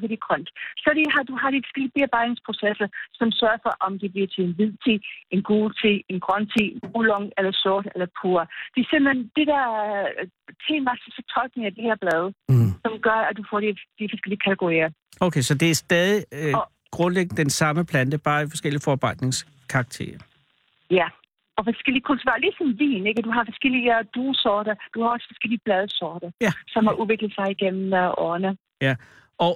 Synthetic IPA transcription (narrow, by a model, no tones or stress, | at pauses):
ʋed̥iɡ̥ʰʁœn̰d̥sɒdiɦɑ̈d̥uɦɑ̈ɾ̥ifɒ̽sɡ̥el̰ib̥e̝ɐb̥ɑ̈ɪ̥ne̝ŋspʰʁo̝sesɐsɒ̽msɶːɐfɒ̽ʔɒ̽md̥e̝b̥liɐt͡sʰe̝le̝nʋið̰ˠt͡sʰe̝̰ːenɡ̥uːt͡sʰe̝̰ːenɡ̥ʁɶnt͡sʰḛbulɔ̽ŋelɐsɔːd̥elɐpʰuɐd̥e̝ɐsem̰lend̥e̝d̥æɐ | t͡sʰḛːnmæsɐt͡sʰe̥t͡sʰɒ̽lɡ̥ne̝ŋæd̥eheɐ̰b̥lɛːð̞ˠəsɒ̽mɡ̥ɶɐæd̥ufɒ̰ɾ̥id̥ifɒ̽sɡ̥el̰iəkʰæt͡sʰeɡ̥oʁḭɐ | oʊkʰesɒ̽d̥e̝æɐsd̥ɛːð̞ˠi | ɡ̥ʁɔ̽nleɡ̥nəd̥ensɑ̈məpʰlæn̰d̥əb̥ɑ̈ːifɒ̽sɡ̥el̰ifɒb̥ɑ̈ɪ̰d̥ne̝ŋs | kʰɑ̈ɡ̥̚t͡sʰe̝̰ːɐ | jæ | ʔɒ̽fɒsɡ̥el̰iəkʰult͡sʰuʁɐli̥sɒ̽nʋḭːne̝ɡ̥əd̥uɦɑ̈fɒ̽sɡ̥eliəd̥uːsɒːɾ̥ɐd̥uhɑ̈ɒ̽sə̥fɒ̽sɡ̥el̰iəb̥lɛð̞ˠəsɒːd̥ɐjæsɒ̽mhɑʔuðˠʋe̝ɡ̥ləð̩ˠsɑ̈ɪiɡ̥en̰m̩ʔɒːnə | jæ | ɒ